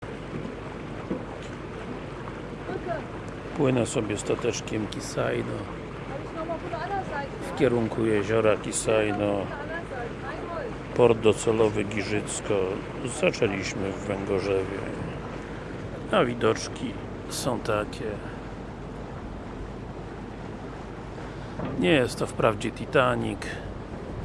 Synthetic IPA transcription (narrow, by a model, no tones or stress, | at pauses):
pwɘnɛsɔbʲjɛst̪at̪ɛt͡ʂkʲɛmkʲisajnɔ | fkʲɛɾuŋkujeʑɔɾakʲisajnɔ | pɔɾd̪̚d̪ɔt̪sɛlɔvɘɡʲiʐɘt̪skɔ | zat͡ʂɛlʲiɕmɘvːɛŋɡɔʐɛvʲjɛ̰ | avʲid̪ɔt͡ʂkʲʰi | sɔ̃w̃t̪akʲʰɛ | ɲɛjɛst̪ːɔfpɾavd͡ʑɛt̪ʲit̪aɲik